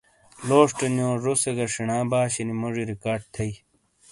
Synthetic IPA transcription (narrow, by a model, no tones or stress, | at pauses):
loːʂʈɐnjõːʐoseɡɐʂinãːbaːɕinimoʐiɾikaːɖ̚t̪ʰɐi